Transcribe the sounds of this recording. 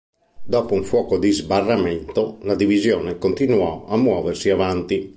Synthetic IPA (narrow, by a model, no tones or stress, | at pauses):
d̪ɔːpouɱfwɔːkod̪izbarːamɛnt̪olad̪ivizjɔːnekont̪inuɔamːwɔːversiavant̪i